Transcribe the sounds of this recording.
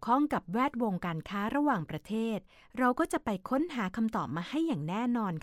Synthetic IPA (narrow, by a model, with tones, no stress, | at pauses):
kʰɔ˥˩ŋka˨˩p̚wɛː˥˩t̪̚wo˧ŋkaː˧nkʰaː˦˥ɾa˧waː˨˩ŋpɾa˧t̪ʰeː˥˩t̪̚ | ɾa˧wkɔː˥˩t͡ɕa˨˩ʔpa˧jkʰo˦˥nɦaː˩˦kʰa˧mt̪ɔː˨˩p̚maː˧ha˥˩jːaː˨˩ŋnɛː˥˩nɔː˧nkʰ